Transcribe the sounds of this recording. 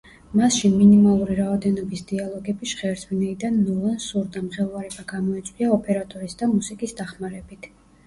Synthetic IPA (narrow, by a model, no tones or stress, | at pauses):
masʃinminimalˠuɾiɾaɔd̪ɛnɔbisd̪ialˠɔɡɛbiʃχɛːɾsʰminɛid̪anːɔlansuɾd̪amχɛlˠvaɾɛbaɡamɔɛt̪sʼwiaɔpʼɛɾat̪ʼɔɾisd̪amusikʼisd̪aχmaɾɛbit̪ʰ